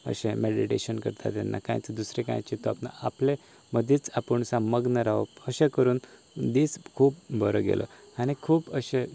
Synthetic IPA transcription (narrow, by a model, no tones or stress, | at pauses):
ə̰ɕẽmeɽiʈeɕənkəɾt̪ʰa̰t̪ːja̰nːa̰kã̰jt͡səd̪usɾekã̰jt͡ɕit̪ɔapna̰aple | məd̪ʱjit͡sapəɳsãməɡnəɾaʋəpəɕẽkəɾuːn | d̪iːt͡skʰuːp̚bʱəɾəɡḛlʔɔ̰ | añikʰuːpəɕẽ